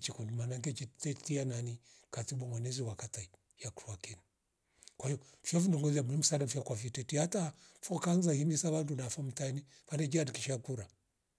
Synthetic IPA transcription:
t͡ʃikundimanaŋkɛt͡ʃitɛtianani | katibɔŋwɛnɛziwakatai | jakɾuakɛni | kwahiɔfjɔfindiŋɡɔziamuim̩usalamfiakwafitɛtiatafɔkanzahinisaβandunafam̩tani | fandɛd͡ʒiadikiʃakuɾa

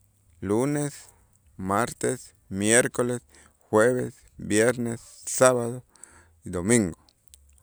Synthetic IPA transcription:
lunes | maɾt̪es | mjeɾkoles | xweβes | bjeɾnesː | aβaðo | id̪omiŋɡo

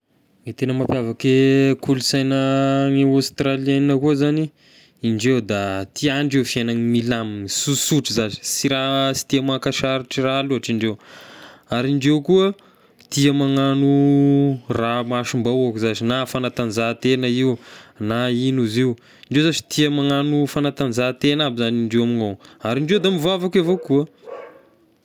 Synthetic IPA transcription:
met̪enəmapjavakekʰulusajnəŋeast̪ralianinəkuəzaniː | ɳɖ͡ʐewd̪at̪ʰiaɳɖ͡ʐefiananimilamsusuʈ͡ʂizazi̥siɾasi̥t̪iəmakaʃaɾiʈ͡ʂiraːluaʈ͡ʂiɳɖ͡ʐew | aɾiɳɖ͡ʐewkuə | t̪iəmaŋanu | ramaʃumbawakuzazinafanat̪anzat̪enəiwnainuziw | iɳɖ͡ʐewzaʈ͡ʂi̥t̪iəmaŋanufanat̪and͡zat̪enabizaniɳɖ͡ʐewaminowaɾiɳɖ͡ʐewd̪amivavakavokuə

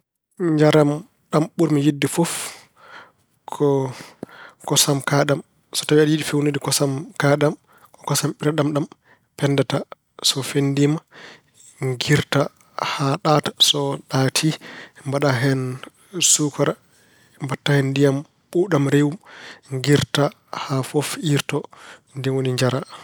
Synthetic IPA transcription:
ɲd͡ʒaɾam | ɗamɓuɾmijidːifɔf | kʰɔ | kɔsamkaɗam | sɔ̥tawiadijiɗifewniɗikɔsamkaɗam | kɔkɔsamɓiɾaɗamɗam | pɛndata | sɔfendima | ŋɡiɾta | haɗatḁsɔɗatʰimbaɗaɦɛn | sukaɾa | mbatːahɛndijam | ɓuɗamɾewumŋɡiɾta | hafofiɾtɔndɛwoniɲd͡ʒaɾa

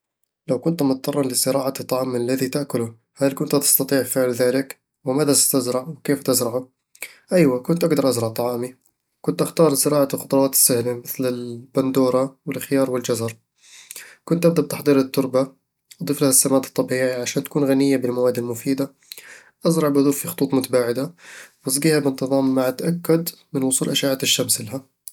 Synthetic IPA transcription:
lawkʊnt̪mʊt̪̚t̪ˤːɑrˤːɑnlɪsɪɾˤɑːʕat̪ˤːɑʕɑːmlːaðit̪aʔkʊlʊ | halkʊnt̪at̪ɪ̥st̪ɑt̪ˤiːʕfɪʕlðaːlɪk | wɪmaːðat̪azɾɑʕwɪkeːft̪ɪzɾɑʕʊ | ʔajwakʊnt̪ʔaɡd̪ɑɾˤʔazɾɑʕt̪ˤːɑʕɑːmi | kʊnt̪ʔaxt̪ɑːɾˤsɪɾɑːʕaxʊt̪ˤɾˤɑːt̪ɪ̥sːahlamɪθlɪlband̪uːɾˤɑwɪlxɪjɑːɾˤwɪld͡ʒazɑɾˤ | kʊnt̪ʔab̚d̪ab̚t̪ɑħd̪ˤiːɾɪt̪ːʊɾˤba | ʔd̪ˤɨːflahasːamaːt̪ɨ̥t̪ˤːɑbiːʕiʕaʃaːnt̪ḁkuːnɣanɪjːabɪlmawaːd̪ːɪlmʊfiːd̪a | ʔazɾˤɑʕbʔɑðˤuːfːixʊ̥t̪ˤuːt̪ˤmʊt̪abaːʕɪd̪awɑs̬ˤɡiːhabɪnt̪ɨðˤɑːmːaʕat̪ʔakːad̪mɪnwʊsˤuːlʔaʃaːʕaːt̪ɪʃːamsɪlaɦa

